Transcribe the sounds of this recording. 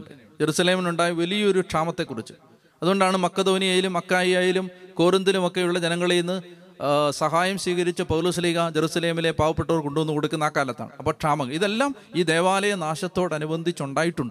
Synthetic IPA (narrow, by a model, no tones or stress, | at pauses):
d͡ʑe̞ɾusɐle̞ːminuɳɖaːjiʋɐlijɐo̞ɾuʈʂaːmɐt̪ːe̞kːurit͡ɕːɨ̥ | ɐðuɣoɳɖaːɳɨmɐkːɐd̪o̞ːnijaːjilumɐkːaːjijaːjilumko̞ːrind̪ilumo̞kːe̞juɭːɐd͡ʑenɐŋːɐɭeinːɨ | sɐɦaːjɐmsʋiːɣɐɾit͡ɕːɨpɐwloːsɐliːɣɐd͡ʑeɾusɐle̞ːmile̞paːʋɐpːeʈːo̞ːrkoɳɖuʋɐnːuko̞ɽukʲːunːaːkːaːlɐt̪ːa̰ːɳɨɐpːoːʈʂaːmɐŋːɐɭiðe̞lːaːm | iːd̪e̞ːʋaːlɐjɐnaːɕɐt̪ːo̞ːɽɐnubɐnd̪ʱit͡ɕːuɳɖaːjiʈːuɳɖɨ